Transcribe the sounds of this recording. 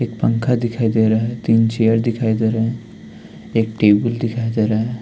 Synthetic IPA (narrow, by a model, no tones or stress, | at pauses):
eːkpə̃ŋkʰad̪ɪkʰajd̪eɾɐɦɛt̪iːnt͡ʃejəɾd̪ɪkʰaːjd̪eɾaɦ | eːkʈeːbəld̪ɪkʰaːjd̪eːɾaɦe